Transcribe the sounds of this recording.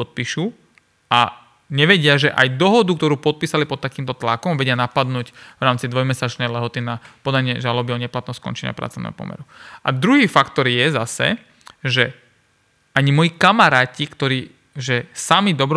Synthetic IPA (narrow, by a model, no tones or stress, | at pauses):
ɔt̪̚piːʃu | a | ɲɛʋɛɟɪaʒɛʔajd̪ɔɦɔd̪uk̚t̪ɔɾuːpɔt̪̚piːsalipɔt̪ːakiːmt̪ɔt̪lakɔmʋɛɟɪanapad̪nuːɟʋɾaːmt͡sid̪ʋɔjmɛsat͡ʃnɛjlɛɦɔt̪inapɔd̪aɲɪɛʒalɔbiɔɲɛplat̪nskɔ̰nt͡ʃɛɲɪ̰a̰pɾa̰tt͡sɔ̰ʋnɛ̰ɦɔpɔ̰mɛ̰ɾua̰d̪ɾuɦiːfakt̪ɔɾjɛzasɛ̰ | ʒɛ | aɲimɔjikamaɾaːcikt̪ɔɾiː | ʒɛsamid̪ɔbɾ